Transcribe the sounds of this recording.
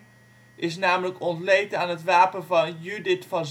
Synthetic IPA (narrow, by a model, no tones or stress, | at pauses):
ʔɪsnaːmələkɔntlejtaːnɦətʋaːpənvɑnjydɪtfɑnz